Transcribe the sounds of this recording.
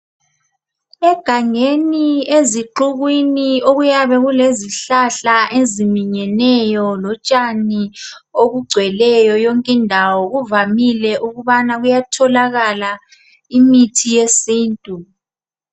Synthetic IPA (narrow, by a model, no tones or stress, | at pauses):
ɛɡ̥ʱaŋenieziǃuɣwinioɣujaβɛɣuleziɬaɬaʔezimiɲɛnɛjɔlɔt͡ʃʼani | oɣuɡ͡ǀʱwɛlɛjɔjoŋkʼindʱawɔɣuvamilɛʔuɣuβanaɣujatʰɔlaɣala | imitʰijesiːntʼu